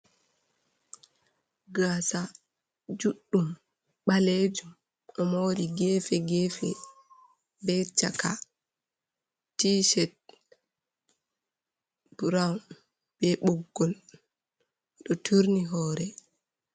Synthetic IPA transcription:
ɡasa | d͡ʒuɗːum | ɓaled͡ʒum | ʔɔmoɾiɡɛfɛɡɛːfɛ | bɛt͡ʃa̰ka | tiʃɛt̚ | b̥uɾawn | b̥ɛɓɔɡːɔl | ɗɔtʰuɾniɦɔːɾɛ

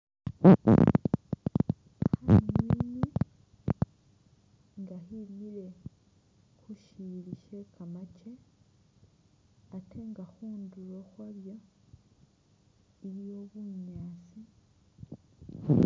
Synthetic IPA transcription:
xamini | ŋɡahilile̞ | xuʃiliʃe̞kamat͡ʃe̞ | atʰe̞ŋɡaxuːnduloxwaβjo | iɾijo̞ːβuɲaːsi

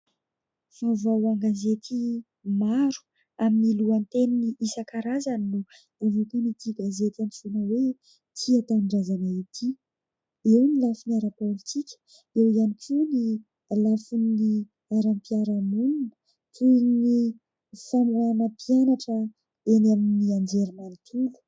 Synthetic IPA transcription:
favawaŋɡazet̪ʰi | maɾu̥ | aminiluant̪eniniʔisakaɾazaninu | avuk̪unit̪ʰiɡazet̪ʲanifunəwe | t̪ʰiat̪aɳɖ͡ʐazanait̪ʰi | ewnilafuniaɾapolit͡sikʲə̥ | ewizanikuni | lafuni | aɾampiaɾamununə̥ | t̪unni | famuanəpʰianaʈ͡ʂə | enaminiand͡ʒeɾimanit̪ʰulu̥

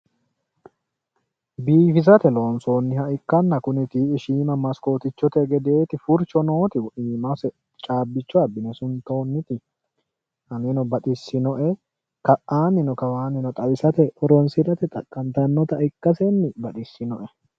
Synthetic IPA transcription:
biːfɪzɐt̪ɛlo̞ːnso̞ːnːɪhɐʔɪkːɐnːɐkʊnɪt̪iɪʃiːmɐmɐsko̞ːt̪ɪt͡ʃːɔt̪ɛɡɛd̪e̞ːt̪ɪfʊɾt͡ʃɔno̞ːt̪ɪwʔiːmɐsɛ | t͡ʃʼaːbːɪt͡ʃːɔɐbɪnɛsʊnt̪o̞ːnːɪt̪ɪ | hɐnenɔbɐᶑɪsːɪnɔʔɛ | kɐʔaːnːɪnɔkɐwaːnɪnɔt̪ʼɐjsɐt̪ɛʔɔɾɔnsɪɾɐt̪ɛt̪ʼɐ̰kʼːɐnt̪ɐnːɔt̪ɐʔɪkːɐsɛnːɪbɐᶑɪsːɪnɔʔɛ

